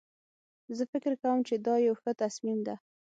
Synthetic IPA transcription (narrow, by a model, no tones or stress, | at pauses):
zəfɪkɪɾkawəmt͡ʃed̪ɑjawxət̪asmimd̪a